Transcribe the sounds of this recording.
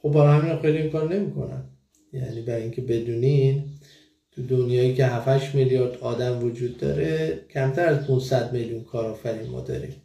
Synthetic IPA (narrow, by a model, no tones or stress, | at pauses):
χobbæɾɒhæmiːnɒxejliiŋkɒːɾne̞mikʰo̞̰næ̰m | jæ̰niːbæɾiŋcʰe̞be̞d̪uːnin | t̪ʰud̪onjɒːjiːcʰe̞ɦæfæʃmiljɒːɾd̪ɒːd̪æmvod͡ʒuːd̪ːɒ̰ːɾecʰæmt̪ʰæɾæzt̪ʰunsæd̪meljunkʰɒːɾɒːfæɾinmɒ̰ːd̪ɒ̰ːɾḭm